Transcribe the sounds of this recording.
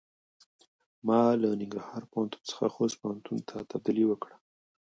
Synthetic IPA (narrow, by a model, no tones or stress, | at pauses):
mɑlanɪŋɡɾɑhɑɾpohant̪u̥nt͡sə̥xa̰xost̪̚pohant̪unt̪ʰat̪ab̚d̪iliwəkɽə